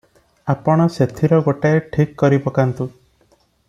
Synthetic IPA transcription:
apɔɽ̃ɔset̪ʰiɾɔɡoʈaeʈʰikːɔɾibɔkant̪u

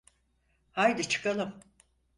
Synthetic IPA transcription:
hajd̪it͡ʃʰɯ̥kalˠɯm

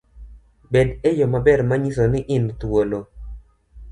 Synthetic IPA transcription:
bɛdejomabɛrmaɲisonɪʔɪnt̪wolo

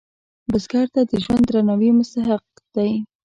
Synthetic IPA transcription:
bʊzɡɑɾt̪ad̪əʒwand̪ɾanawimʊst̪aɦɪq̚ | d̪̥aj

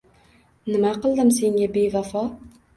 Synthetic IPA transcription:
nɪmaqʰɨlˠd̪ɪmseŋɡʲabevafɒ

